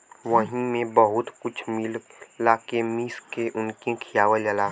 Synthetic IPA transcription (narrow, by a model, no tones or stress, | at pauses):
ʋəɦĩmẽbəɦʊt̪kʊt͡ʃʰmɪllaːkemiːskeʔʊnkẽkʰijaːʋələlaː